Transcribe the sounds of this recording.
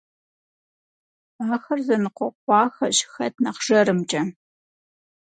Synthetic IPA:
aːxɐrzɐnɨqʷɔqʷɑːxɐɕxɐtʰnɐqʒ̥ɐɾɨmt͡ʃʼɐ

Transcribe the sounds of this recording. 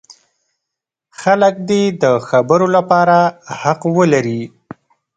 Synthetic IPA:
xalək̚d̪ed̪əxabəɾolapɑɾahaqwəlaɾi

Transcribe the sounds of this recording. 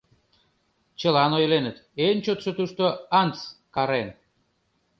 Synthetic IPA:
t͡ɕəlɑnojlenə̆t̪ent͡ɕot̪ʃot̪uʃt̪oɑnt͡skɑɾen

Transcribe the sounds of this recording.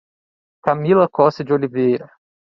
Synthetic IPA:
kamilɐkɔsɪd͡ʒɪolivejɾɐ

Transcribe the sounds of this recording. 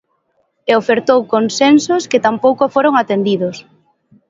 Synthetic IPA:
eofeɾt̪owkonsensoskɪt̪ampowkofoɾoŋat̪end̪iðʊs

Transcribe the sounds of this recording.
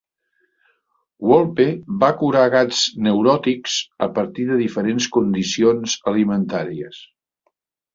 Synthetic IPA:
wɔlˠpeβakuɾaɣad͡znəwɾɔt̪iksəpəɾt̪iðəðifəɾenskund̪isionzəlimənt̪aɾiəs

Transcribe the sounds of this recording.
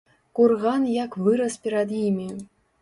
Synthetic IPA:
kurɣanjakvɨɾɐspʲɛɾad̪jimʲi

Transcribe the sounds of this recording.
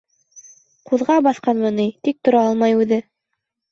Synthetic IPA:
quðʁɑbɑθqɑnmɤnijt̪ik̚t̪ŏɾɑɑlˠmɑjʉðɘ

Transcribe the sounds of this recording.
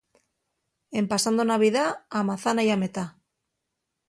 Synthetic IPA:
e̞mpasand̪onaβ̞iðaːmaθanajame̞t̪a

